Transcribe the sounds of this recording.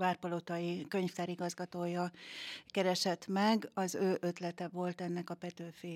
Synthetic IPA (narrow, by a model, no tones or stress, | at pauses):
vaːrpɒlot̪ɒjikø̞ɲft̪aːɾiɡɒzɡɒt̪oːjɒkɛɾɛʃɛt̪mɛɡɒzøːʔø̞t̪lɛt̪ɛvo̞lt̪ɛnːɛkɒpɛt̪øːfeː